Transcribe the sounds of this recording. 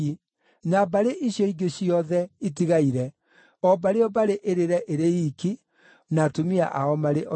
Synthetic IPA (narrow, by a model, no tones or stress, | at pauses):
nabaɾeʔiɕjɔiɡeɕiɔðɛitiɣaiɾɛ | ɔbaɾeɔbaɾeʔeɾeɾɛʔeɾeiki | natomia̰ʔaɔmaɾeʔɔ